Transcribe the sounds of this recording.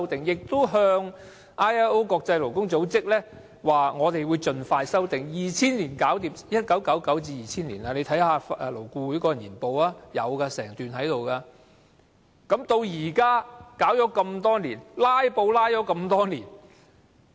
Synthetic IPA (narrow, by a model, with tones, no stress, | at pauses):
wt̪ɪ˨ŋjɪ˨k̚t̪ʊ˥wɦœː˧ŋ | ʔaː˥jɛ˥o˥wkɔː˧k̚t͡sɐ˧jlo˨˩wkʊ˥ŋt͡so˨˥wt͡sɪ˥k̚lɛː˥ | waː˨ŋɔː˨˧t̪e˨jwuː˨˧jt͡ʃɵ˨nfaː˧jsɐ˥wt̪ɪ˨ŋjiː˨t͡sʰiː˥nliː˨˩nkaː˨˥wt̪iː˨˩p̚jɐ˥t̚kɐ˨˥wkɐ˨˥wkɐ˨˥wt͡siː˧jiː˨t͡sʰiː˥nliː˨˩nɐ˧le˨˧jt̪ʰjhaː˨fɛː˧lo˨˩wkuː˧wu˨˥jkɔː˧jɐ˨˩njiː˨˩npo˧waː˥jɐ̰˨˧wkɐː˧sɛ̰ː˨˩ŋt̪yː˨nɦɐ˨˥jt̪o˨wkaː˧ | kɐ˨˥mt̪o˧wjiː˨˩kaː˥kaː˨˥wt͡ʃɔː˨˧˥kɐ˧mt̪ɔː˥niː˨˩nlaː˥jpo˧wlaː˥jt͡ʃɔː˨˥kɐ˧mt̪ɔː˥niː˨˩n